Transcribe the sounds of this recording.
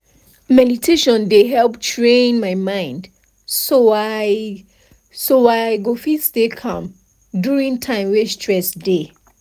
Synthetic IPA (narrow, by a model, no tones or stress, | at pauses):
mɛditʰeʃɔ̃ndeɦɛlptʰɹẽnmaɪmãɪ̃nd | soa | soaɡofisdekʰãm | duɹĩŋtʰãɪ̃mwɛstʰɹɛsde